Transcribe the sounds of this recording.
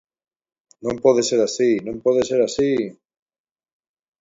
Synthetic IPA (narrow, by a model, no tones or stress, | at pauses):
nõmpɔðeseɾasinõmpɔðeseɾasi